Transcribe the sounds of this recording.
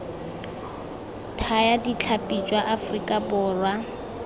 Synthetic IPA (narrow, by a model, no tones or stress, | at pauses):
tʰajadit͡ɬʰapʼid͡ʒwaʔafrikʼabʊːrwa